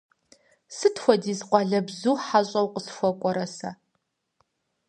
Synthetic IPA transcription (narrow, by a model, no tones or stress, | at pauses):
sɨtʰxʷɔdiːzqʷɑːɮɐbzuːħaɕʼɐwqəsxʷɔkʷʼɔɾɐsɐ